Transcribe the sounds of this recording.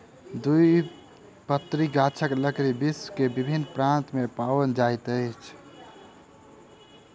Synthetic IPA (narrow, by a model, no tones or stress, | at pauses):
d̪ui | pət̪ːɾiɡat͡ʃʰəkləkɾibiskebibʱinːpɾant̪mepawənd͡ʒajt̪əjt͡ʃʰ